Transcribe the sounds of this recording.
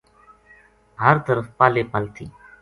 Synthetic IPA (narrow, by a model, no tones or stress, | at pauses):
ɦəɾt̪əɾəfpaːleːpəlt̪ʰḭː